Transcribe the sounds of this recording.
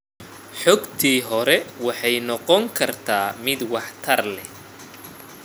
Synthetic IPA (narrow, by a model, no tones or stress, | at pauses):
ħɔɡt̪ʰiːɦɔɾɛwɑħɑjnɔqɔŋkʰɐrt̪ʰaːmɪd̪wɑħt̪ʰɐrlɛ